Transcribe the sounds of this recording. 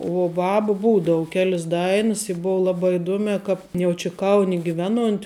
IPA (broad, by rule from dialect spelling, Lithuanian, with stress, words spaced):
uɔ ˈbɑːbʊ ˈbuːdɐʋʊ ˈkʲæːlʲɪs ˈdɐɪnɨs ɪ ˈboːʋoː ˈlˠɑːˌbɑː ɪˈduɔmʲæː ˈkɑːp jɛʊ ˈt͡ʃʲɪ ˈkɐʊnʲɪ ɡʲɪˈʋʲæːˌnuɔnʲtʲ